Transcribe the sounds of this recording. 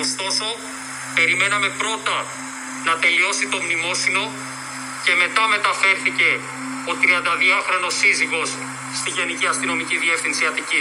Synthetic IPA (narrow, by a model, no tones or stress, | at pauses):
ost̪o̞so̞ | pe̞ɾime̞nɐme̞pɾo̞t̪ɐ | nɐt̪e̞lio̞sit̪o̞mnimo̞sino̞ | ce̞me̞t̪ɐme̞t̪ɐfe̞ɾθice̞ | ot̪ɾiɐnd̪ɐðiɐxɾo̞no̞siziɣo̞s | st̪iʝeniciɐst̪ino̞miciðie̞fθinsiɐt̪ici